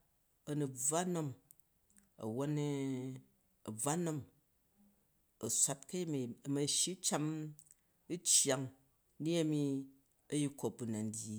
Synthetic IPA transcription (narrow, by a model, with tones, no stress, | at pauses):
ɐ˨nu˨b͡va˦no˦m | ɐ̰˨wo˦n˦ | ɐ˨b͡va˦no˦m | ɐ˨sʷa˦t̚kɐ˦ji˦mi˨mɐ˨ʃi˦t͡ʃa˦m | i˦t͡ʃja˨ŋ | ni˦ɐ˦mi˧ | ɐ˦ji˦ko˨p̚bu˨na˨n˦dʲji˨˦